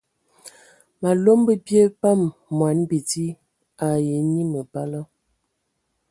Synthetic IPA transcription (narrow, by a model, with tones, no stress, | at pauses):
ma˨lo˦mbə˦pje˦pa˦mːwa˨˦nbi˨ti˦ | a˨je˨˦ni˦mə˨pa˦lə˦